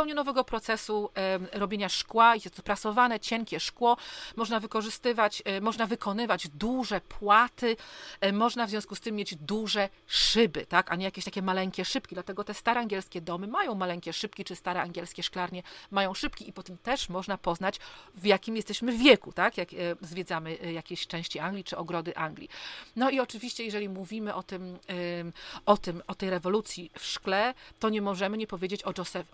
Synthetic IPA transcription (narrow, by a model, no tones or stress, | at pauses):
pɛwɲɛnɔvɛɡɔpɾɔt̪sɛsuɾɔbʲeɲaʂkwaijɛst̪ɔpɾasɔvanɛt͡ɕɛŋkʲɛʂkwɔmɔʐnavɘkɔʐɘst̪ɘvat͡ɕmɔʐnavɘkʰɔnɘvad͡ʑd̪uʐɛpʰwat̪ɘmɔʐnavzʲɔ̃wskust̪ɘmːjed͡ʑd̪uʐɛʂɘbɘ̰t̪akaɲɛjakʲeɕt̪akʲɛmalɛŋkʲɛʂɘp̚kʲid̪lat̪ɛɡɔt̪ɛst̪aɾɛaŋɡʲɛlskʲɛd̪ɔmɘmajɔ̃w̃malɛŋkʲɛʂɘp̚kʲit͡ʂɘst̪aɾɛaŋɡʲjɛlskʲɛʂklaɾɲɛmajɔ̃w̃ʂɘpkʲiipɔt̪ɛmt̪ɛʂmɔʐnapɔznat͡ɕvjakʲimjɛst̪ɛɕmɘvʲjɛkut̪akjakzvʲjed̪zamɘjakʲeɕt͡ʂɛ̃w̃ɕt͡ɕiaŋɡlʲit͡ʂɘɔɡɾɔd̪ɘʔaŋɡlʲḭnɔiɔt͡ʂɘvʲiɕt͡ɕɛjɛʐɛlʲimuvʲimɘʔɔt̪ɘm | ɔt̪ɘmɔt̪ɛjɾɛvɔlut̪sʲjifʂklɛt̪ɔɲɛmɔʐɛmɘɲɛpɔvʲed͡ʑet͡ɕɔd͡ʐɔsɛ